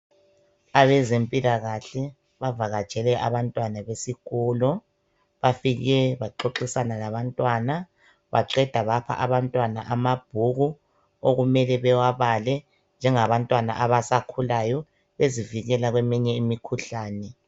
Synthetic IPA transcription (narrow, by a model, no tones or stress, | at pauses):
aβɛzempʼilaɣaɬɛ | βavaɣad̥t͡ʃʼɛlɛʔaβantʼwanaβesiɣɔːlɔ | βafiɣɛβaǁoǁisanalaβantʼwana | βa̰ǀɛd̥ʱaβapʰa̰ʔaβantʼwana̰ʔamab̥ʱuɣu | oɣumɛlɛβɛwaβalɛ | nd͡ʒʱɛŋaβantʼwana̰ʔaβasakʰulajɔ | βeziviɣɛlaɣwɛmɛɲɛimikʰuɬaːnɛ